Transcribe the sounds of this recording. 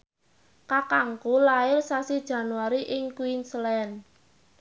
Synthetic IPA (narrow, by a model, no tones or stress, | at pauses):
kakaŋkulaɪrsasid̥ʒ̥ä̤nuwaɾiʔɪŋkuinslɛn